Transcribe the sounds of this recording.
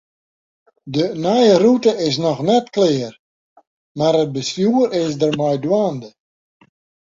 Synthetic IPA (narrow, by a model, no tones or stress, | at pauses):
dənajərutəɪs̬nɔxnɛtklɪːər | maɾət̚bəsjuəɾɪs̬dərmɔjdwaːndə